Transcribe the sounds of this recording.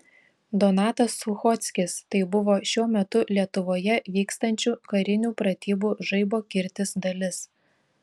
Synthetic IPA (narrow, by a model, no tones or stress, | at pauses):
d̪ɔnɑːt̪ɐsːʊxɔt̪ʲsʲkʲɪst̪ɐɪbʊʋoːʃʲuɔmʲɛt̪ʊlʲiɛt̪ʊʋoːjɛʋʲiːkst̪ɐnʲt͡ʃʲuːkɐɾʲɪnʲuːpɾɐt̪ʲiːbuːʒɐɪboːkʲɪɾʲt̪ʲɪsd̪ɐlʲɪs